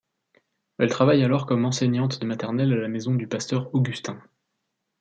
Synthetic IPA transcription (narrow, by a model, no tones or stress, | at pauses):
ɛlt̪χavajalɔʁkɔmɑ̃seɲɑ̃t̪d̪əmat̪ɛʁnɛlalamezɔ̃d̪ypast̪œʁoɡʲyst̪ɛ̃